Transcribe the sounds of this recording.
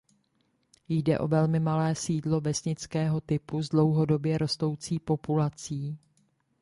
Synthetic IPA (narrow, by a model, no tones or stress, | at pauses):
jdɛ̰ʔo̞̰vɛlmɪmalɛːsiːdlo̞vɛsɲɪt͡skɛːɦo̞t̪ɪpuzdlo̞wɦo̞do̞bjɛɾo̞st̪o̞wt͡siːpo̞pulat͡siː